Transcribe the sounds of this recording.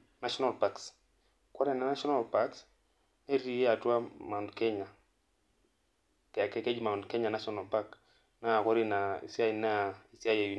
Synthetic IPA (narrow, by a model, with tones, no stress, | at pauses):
na˦ʃɔ˦na˨lpa˨ks | kɔ˦ɾɛ˦na˨na˦ʃɔ˦na˦˨lpa˦ks | ne˦ɾi˦je˦a˨twa˦ma˨ndkɛ˦ɲa˨ | kɛ˨kɛ˦kɛ˦d͡ʒma˨ndkɛ˦ɲa˨na˦sɔ˦na˨lpa˦k | na˦˨kɔ˦ɾi˦na˨ḭ˨si˦a˦˨na˦˨i˨si˦a˦ja˨ju˨